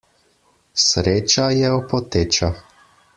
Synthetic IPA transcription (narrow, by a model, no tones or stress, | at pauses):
sɾeːt͡ʃajɛɔpɔt̪eːt͡ʃa